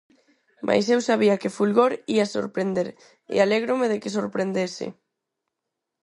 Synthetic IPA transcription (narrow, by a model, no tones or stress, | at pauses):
mʔa̰jsewsaβiakefulɣoɾiaso̰ɾpɾend̪eɾ | ḛaleɣ̞ɾomeðekɪsoɾpɾend̪esɪ̰